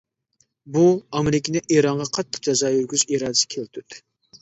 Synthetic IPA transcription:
buɑmeɾɪkʲɪnɪʔeɾɑɴʁɑqʰɑt̪ːə̥q̚d͡ʒɑzɑːjyɾɡʲyziɾɑːd̪ɪsɪ̥kʲʰelt̪ʰyt̪ː

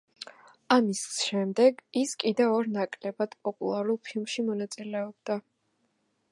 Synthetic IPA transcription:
amisʃɛmd̪ɛɡiskʼid̪ɛvɔɾnakʼlɛbad̪̥pʼɔpʼṵlˠaɾulˠpʰilˠmʃimɔnat̪sʼilɛɔb̚d̪a

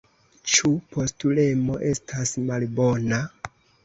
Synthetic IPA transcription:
t͡ʃupo̞stule̞mo̞ʔe̞stʰasmalbo̞na

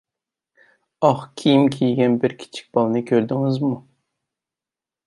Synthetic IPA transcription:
ɑχkʲʰijimkʲʰijɡʲɛnbɪɾkʲʰi̥t͡ʃʰi̥k̚ʲbɑlˠɨnɨkʲʰøɾd̪ɪŋɪzmu

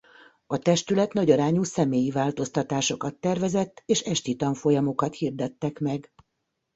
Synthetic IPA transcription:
ɒt̪ɛʃt̪ylɛt̪nɒɟɒɾaːɲuːsɛmeːjivaːlt̪o̞st̪ɒt̪aːʃo̞kɒt̪ːɛrvɛzɛt̪ːeːʃɛʃt̪it̪ɒɱfo̞jɒmo̞kɒt̪hiːrd̪ɛt̪ːɛkmɛɡ

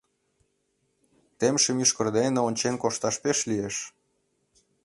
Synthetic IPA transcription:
t̪emʃə̆myʃkə̆rd̪eneonʲt͡ɕenkoʃt̪ɑʃpeʃlieʃ

